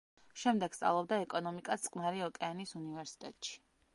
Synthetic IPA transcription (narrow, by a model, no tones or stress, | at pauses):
ʃɛmd̪ɛɡ̥st̪sʼa̰vlˠɔb̚d̪aɛkʼɔnɔmikʼat̪sʼkʼmaɾiɔkʼɛanisunivɛɾsi̥t̪ʼɛt̪ʼʃi̥